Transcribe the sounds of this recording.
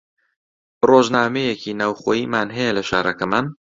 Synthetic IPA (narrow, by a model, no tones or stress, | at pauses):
roːʒnaːmejeciːnaːwχoːjiːmaːnɦɛjɛlɐʃa̰ːɾɐkɐmaːn